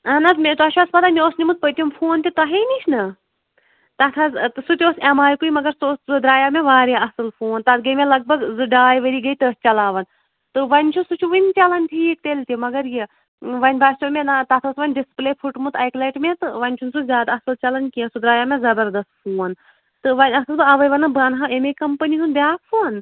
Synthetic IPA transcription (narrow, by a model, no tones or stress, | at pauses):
ɐnɐt̪mʲet̪ɐt͡ʃʰuɐspɐt̪amʲeoːsnʲimut̪̚pət̪ʲiumfʰoːnt̪ʲit̪ɐɦiniʃʰnɐ | t̪ɐt̪ʰɐzsut̪ʲoːsɐmaːjkuimɐɡɐɾsoszɨd̪ɾaːjaːmeʋaːɾiɐsɨlfoːnt̪ɐt̪̚ɡɐjmelɐɡ̚bɐɡzɨɖaːjʋɐɾiːɡɐjt̪əːs̚t͡ʃɐlaːʋɐn | t̪ɨʋɐnʲt͡ʃʰusut͡ʃʰuʋɨnʲt͡ʃɐlɐnʈʰiːk̚t̪elʲt̪ʲimɐɡɐɾji | ʋɐnʲbaːt͡ʃomʲenat̪ɐt̪ʰɐːsʋɐnʲɖispleːpʰuʈmut̪ɐjkleʈmʲet̪ɨʋɐnʲt͡ʃʰunsuzʲjaːd̪ɐsɨlt͡ʃɐlɐnkiɐsud̪ɾaːjaːmẽzɐbɐɾd̪ɐst̪̚fʰuːn | t̪ɨʋɐnʲɐsɨlbɨɐʋɐjʋɐnɐbɐnɦaemekɐmpɨniɦunbʲjaːkfʰun